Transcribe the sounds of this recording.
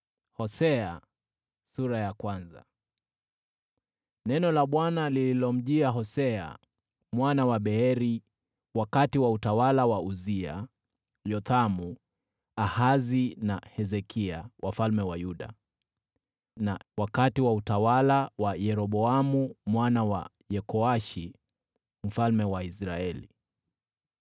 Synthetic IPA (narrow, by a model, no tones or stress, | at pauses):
hɔsɛa | suɾajakwanza̰ | nɛnɔlaɓwanalililɔm̩ʄiaɦɔsɛa̰ | mwanawaɓɛɛɾi | wakatiwautawalawauzia̰ | jɔt̪amu | ahazinahɛzɛkiawʔafalmɛwajuɗa̰ | nawakatiwautawalawajɛɾɔɓɔamumwanawa̰ | jɛkɔaʃi | m̩falmɛwaisɾaɛlḭ